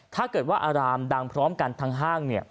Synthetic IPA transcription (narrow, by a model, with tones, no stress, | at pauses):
t̪ʰaː˥˩kɤː˨˩t̪̚waː˥˩ʔaː˧ɾaː˧mda˧ŋpʰɾɔː˦˥mka˧nt̪ʰaː˦˥ŋɦaː˥˩ŋni˥˩ɐ